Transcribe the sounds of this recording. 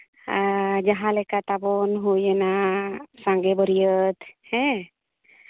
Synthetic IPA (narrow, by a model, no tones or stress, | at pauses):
d͡ʒaɦãlɛkat̪abɔnɦujɛnasaŋɡɛbəɾijət̪hɛ̃